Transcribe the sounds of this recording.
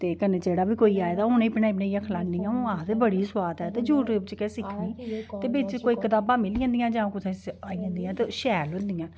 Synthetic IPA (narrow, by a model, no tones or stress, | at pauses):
t̪eːkəneːd͡ʒeːɽaːbiːkoːiːaːed̪aːʊnẽːpnaːɪpnẽːãkʰlãːnːijãːõːãːt̪eːbəɽiːsʊaːd̪ɦɛːt̪eːd͡ʒuːʈep̚t͡ʃkɛːsɪkʰʋiːt̪eːbɪt͡ʃkoːiːkət̪aːbãːmɪlɪãːnd̪ɪjãːd͡ʒãːõkʊt̪ʰeːsaːiãːnd̪ijãːt̪eːʃɛːlɦʊ̃nd̪ijãː